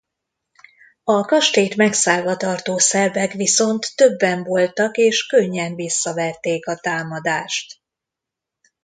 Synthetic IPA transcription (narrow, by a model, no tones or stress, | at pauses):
ɒkɒʃt̪eːt̪mɛksaːlvɒt̪ɒrt̪oːsɛrvɛkʋiso̞nt̪ːø̞bːɛɱvo̞lt̪ɒkeːʃkøɲːɛnvisːɒvɛt̪ːeːkɒt̪aːmɒd̪aːʃt̪